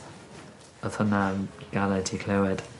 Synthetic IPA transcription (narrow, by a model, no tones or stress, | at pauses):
əðənaɡ̥alɛdʰikʰlɛwɛd̥